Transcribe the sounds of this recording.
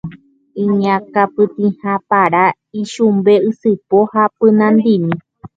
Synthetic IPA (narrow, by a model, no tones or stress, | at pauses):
ĩɲãkapɨt̪ĩhãpaɾa | iʃumbe̞ɨsɨpohapɨnãnd̪imĩ